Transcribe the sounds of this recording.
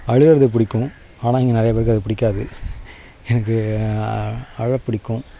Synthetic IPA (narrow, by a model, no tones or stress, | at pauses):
ɐɻɯʋɐɾɐðɯp̬ɪɽɪkːʊ̃ | aːnãːɪŋɡɐnɪɾɐjɐpeːɾɪkːɯɐðɯpɪɽɪkːaːðɯ | ɛnɐkːɯ | ɐɻɐpːɪɽɪkːʊ̃